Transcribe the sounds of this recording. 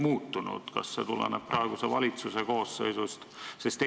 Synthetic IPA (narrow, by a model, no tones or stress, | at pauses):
muːt̪ːunṵd̪̥kɑ̰sːet̪ulḛnep̚prʔɑeɡ̥usevɑlʲit̪suseko̞ːsːɤ̰jsust̪sest̪